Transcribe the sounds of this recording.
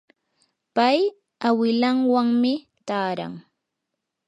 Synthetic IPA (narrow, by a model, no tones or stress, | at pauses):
paj | awɪlaŋwaŋmɪ | t̪aːɾa̰ŋ